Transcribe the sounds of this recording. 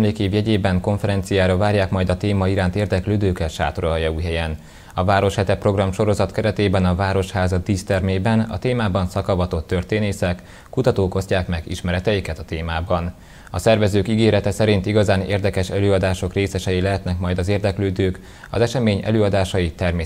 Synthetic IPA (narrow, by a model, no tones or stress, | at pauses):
mleːkeːvjɛɟeːbɛŋko̞ɱfɛɾɛnt̪sijaːɾɒvaːrjaːkmɒjd̪ɒt̪eːmɒiɾaːnt̪eːrd̪ɛkløːd̪øːkɛʃa̰ːt̪oɾɒjɒuːjɦɛjɛn | ɒvaːɾo̞ʃhɛt̪ɛpro̞ɡrɒmʃo̞ɾo̞zɒt̪kɛɾɛt̪eːbɛnɒvaːɾo̞ʃhaːzɒd̪iːst̪ɛrmeːbɛnɒ̰t̪eːmaːbɒnsɒkɒvɒt̪o̞t̪ːørt̪eːneːsɛkː | ut̪ɒt̪oːkoscaːkmɛɡḭʃmɛɾɛt̪ɛjikɛt̪ɒt̪eːmaːbɒn | ɒsɛrvɛzøːkiɡeːɾɛt̪ɛsɛɾint̪iɡɒzaːneːrd̪ɛkɛʃɛløːɒd̪aːʃo̞kreːsɛʃɛjilɛɦɛt̪nɛkmɒjd̪ɒzeːrd̪ɛkløːd̪øːk | ɒ̰zɛʃɛmeːɲɛ̰løːɒd̪aːʃɒjit̪ɛrmeː